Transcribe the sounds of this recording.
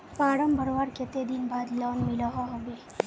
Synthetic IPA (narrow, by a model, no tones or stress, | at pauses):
paːɽəmbəɾoʋaːɾket̪ed̪inbaːd̪lɔːnmɪlaɦɔɦoɡeː